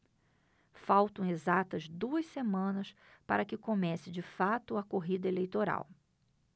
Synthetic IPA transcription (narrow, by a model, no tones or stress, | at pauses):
fawt̪ɐ̃w̃ezat̪ɐzd̪uɐssemɐ̃nɐs | pa̰ɾɐkɪkomɛsɪd͡ʒɪfat̪ʊɐkoɦid̪ɐelejt̪oɾa̰w